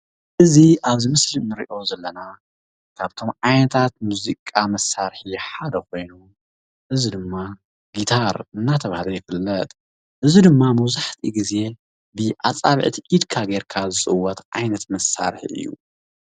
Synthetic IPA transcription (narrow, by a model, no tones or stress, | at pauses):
ʔɨziʔaβzimɨslinɨɾiʔo̞zɐlːɐna | kʰaβt̪ʰo̞mʕajnɐt̪ʰat̪muzikʼamɐsːaɾħiħad̪ɐko̞jnu | ʔɨzid̪ɨmːa | ɡit̪ʰaɾɨnːat̪ʰɐβahlojɪfɨlːɐt̪ʼ | ʔɨzid̪ɨmːamɐwzaħt̪ʰiɡize̞ | bɨʔat͡sʼaβʕt̪ʰiʔid̪kʰaɡeɾkʰazɨt͡sʼɨwːɐt̪ʕa̰jnɐt̪mɐsa̰ɾħḭʔɨ̰jːṵ